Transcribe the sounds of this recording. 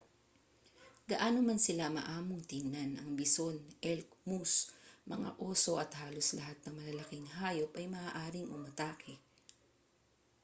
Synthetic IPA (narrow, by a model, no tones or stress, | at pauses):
ɡ̥ɐʔaːnomansɪlamɐ̰ʔaːmoŋt̪inanʔɐŋbɪso̞nɛlk̚musmɐŋa̰ʔoːso̞ʔɐt̪haːlo̞slɐɦat̪̚nɐŋmɐlɐlɐkɪŋɦaːjopʔɐjmɐʔaːʔaːɾɪŋʔʊmɐt̪aːkʰɛ